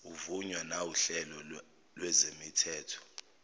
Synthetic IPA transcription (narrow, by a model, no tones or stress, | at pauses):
uvuɲwanawuɬɛlɔ | lwɛzemitʰɛːtʰɔ̥